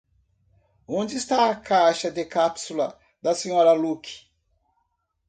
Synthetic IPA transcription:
õd͡ʒɪːst̪aɐkajʃɐd̪ekapsulɐ | d̪ɐsẽɲɔɾɐluki̥

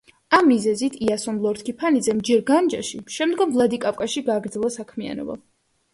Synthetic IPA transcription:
amːizɛzit̪ʰiasɔmlˠɔɾt̪kʰipʰanid̪zɛmd͡ʒɛɾɡand͡ʒaʃiʃɛmd̪ɡɔmvlˠad̪ikʼapʼkʼaʃiɡaːɡɾd̪zɛlˠasakʰmia̰nɔ̰ba̰

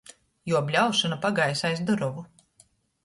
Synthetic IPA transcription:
juɔbʲlʲawʃɔnapaɡajsajzd̪uɾɔvu

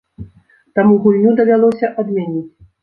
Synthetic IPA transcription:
t̪amuɣulʲnʲud̪ɐvʲalˠɔsʲɐʔad̪mʲanʲit͡sʲ

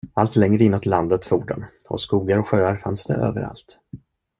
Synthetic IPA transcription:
alt̪lɛŋɾəɪnːot̪ʰland̪ət̪fuːɖʊ̰nɔ̰skuːɡaɾɔɧøːaɾfansd̪ɛ̰ʔø̰ːvəɾa̰lt̪

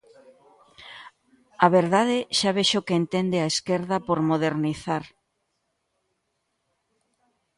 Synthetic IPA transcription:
aβeɾðaðeʃaβeʃokeent̪end̪eaeskeɾðapoɾmoð̞eɾniθaɾ

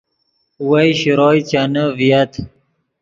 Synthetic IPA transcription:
wajɕiɾoːjt͡ɕanəvijat̪ʰ

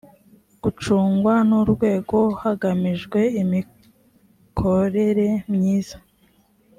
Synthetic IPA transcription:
ɡ̥ut͡ʃuːŋɡwanuɾɡwe̞ːɡo̞haɡamiʒɡwe̞imi | kʰo̞ɾe̞ɾe̞mɲiːz̥ḁ

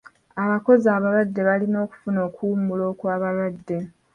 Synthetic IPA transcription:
aβako̞zaːβalwadːe̞βalino̞ːku̥funo̞ːkuːmulo̞ːkwaːβalwadːe̞

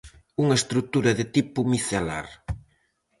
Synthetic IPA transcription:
uŋɐest̪ɾut̪uɾɐðet̪ipumiθela̰ɾ

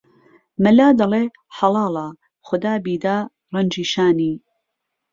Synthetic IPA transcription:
mɐlaːd̪ɐle | ħɑlɑːlˠɑ | xʊd̪aːbiːd̪aː | rɐnd͡ʒiːʃaːniː

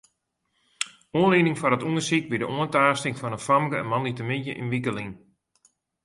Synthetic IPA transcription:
uənliːnɪŋfɔɾətuŋəsikʋidəʔoəntaːstɪŋfɔnənfamkəɛ̰nmɔnlitəmɪnjəʔɪ̰nʋikəliŋ

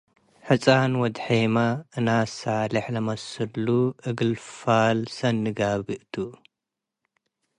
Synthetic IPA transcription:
ħɨt͡sʼanwɔd̪ħemaʔɨnasalɐħlɐmɐsɨluɨɡɨlfalsɐnːɨɡaβɨʔt̪ʰu

